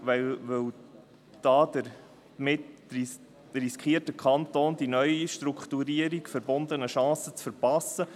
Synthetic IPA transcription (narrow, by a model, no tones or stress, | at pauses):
ʋɛʋɵw | d̥̪ɑːd̪əɾ | mɪti | riskχiərtəkʰɑnt̪oːnd̪inœʏiʃtɾukχt̪uɾiəɾikfəɾbond̪ənəʃɑ̃ːsət͡sfəɾpɑsːə